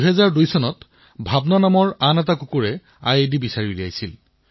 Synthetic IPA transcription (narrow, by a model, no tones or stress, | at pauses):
ɦɛzaɹdujsɔnɔt | bʱabnanamɔɹanɛt̬akukuɹɛ | a̰jedibisaɹilia̰jsil